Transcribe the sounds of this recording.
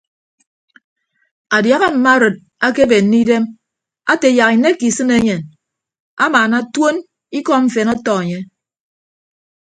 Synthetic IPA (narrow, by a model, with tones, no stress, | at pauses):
a˨dja˨ɣa˦m̩˨ma˦ɾɨ˨t̚ | a˦ke˦be˨n̩ː˦i˦de˦m | a˦te˨ja˨ki˨ne˦ki˨sɨ˦ne˦ɲe˨n | a̰˦maː˨na˦two˦n | i˦kɔ˦ɱ̩˨fe˨nɔ˦tɔ˨e˨ɲe˦